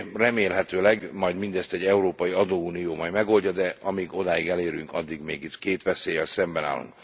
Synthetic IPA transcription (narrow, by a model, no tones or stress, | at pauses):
rɛmeːlɦɛt̪øːlɛɡmɒjd̪mind̪ɛst̪ɛɟːɛuɾoːpɒjiɒd̪oːuːnijoːmɒjmɛɡo̞lɟɒd̪ɛʔɒmiːɡo̞d̪aːiɡɛleːɾyŋkɒd̪ːiɡmeːɡit̪keːt̪ʋɛseːjɛlsɛmbɛna̰ːlːṵŋk